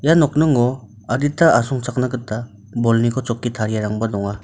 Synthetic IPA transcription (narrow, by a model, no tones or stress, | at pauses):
janɔk̚nɯŋɔ | aditaʔasɔŋt͡ʃak̚naɡɯtːa | bɔlnikʰɔt͡ʃɔkːitʰaɾijaɾaŋbadɔŋa